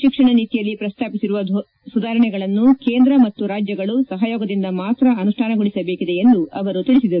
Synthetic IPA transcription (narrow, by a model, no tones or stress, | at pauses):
ʃikʂɐɳɐniːt̪ijɐlːipɾɐst̪ʰaːpisiɾuʋɐ | sud̪aːɾɐɳɛɡɐɭɐnːukeːnd̪ɾɐmɐt̪ːuɾaːd͡ʒjɐɡɐɭusɐɦɐjoːɡɐd̪ind̪ɐmaːt̪ɾɐɐnuʂʈʰaːnɐɡoɭisɐbeːkid̪e̞end̪uɐʋɐɾut̪iɭisid̪ɐɾu